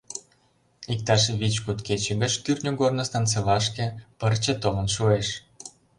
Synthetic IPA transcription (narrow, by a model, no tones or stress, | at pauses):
ik̚t̪ɑʃβit͡ɕkut̪ket͡ɕeɡə̆t͡ɕt̪yrʲnʲuɡornə̆st̪ɑnt͡selɑʃkĕpərt͡ɕĕt̪omə̆nʃueʃ